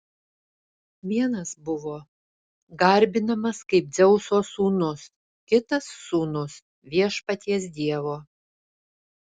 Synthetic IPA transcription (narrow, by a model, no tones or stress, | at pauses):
ʋʲiɛnɐsbʊʋoː | ɡɐɾʲbʲɪnɐmɐskɐɪp̚d̪zʲɛʊsoːsuːnʊs | kʲɪt̪ɐsːuːnʊs | ʋʲiɛʃpɐt̪ʲiɛsd̪ʲiɛʋoː